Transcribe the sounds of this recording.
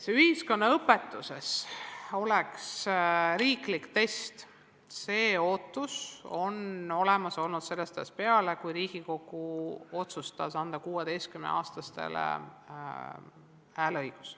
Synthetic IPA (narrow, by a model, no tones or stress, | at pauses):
seyhisko̞nːɑɤpːe̞t̪ːˑuse̞so̞leksɾiːklikt̪e̞st̪ | se̞ːo̞ːt̪ːˑuso̞no̞lemɑso̞lnud̪̥se̞lːest̪espe̞ɑlekujɾiːɡ̥iko̞kːˑuo̞t̪sust̪ɑsɑnd̪̥ɑkuːwed̪ejst̪̚kymnḛʔɑːst̪ɑst̪e̞̰lḛ | æːlɤjɡ̥u̥s